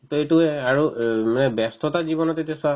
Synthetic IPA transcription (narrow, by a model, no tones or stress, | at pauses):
toetuɛaɹumanɛbɛstʰɔtazibɔnɔtetiasa